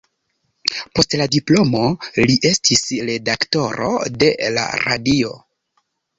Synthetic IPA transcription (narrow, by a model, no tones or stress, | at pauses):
po̞stladiplo̞mo̞liʔe̞stʰisɾe̞dakto̞ɾo̞̰de̞la̰ɾa̰dio̞